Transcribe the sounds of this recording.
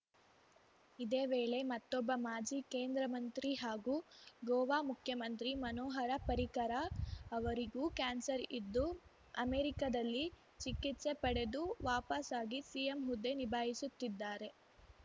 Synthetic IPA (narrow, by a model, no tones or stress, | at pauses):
id̪e̞ːʋe̞ːɭe̞mɐt̪ːɔbːɐmaːd͡ʒikeːnd̪ɾɐmɐnt̪ɾiɦaːɡuːɡɔːʋaːmukʰjɐmɐnt̪ɾimɐnoːɦɐɾɐpɐɾikɐɾaɐʋɐɾiɡukaːnsɐɾid̪ːu | ɐmeːɾikɐd̪ɐlːi | t͡ʃikːit̪se̞pɐɽe̞d̪uʋaːpɐsaːɡisijemɦud̪ːe̞nibʱaːɦisut̪ːid̪ːaːɾe̞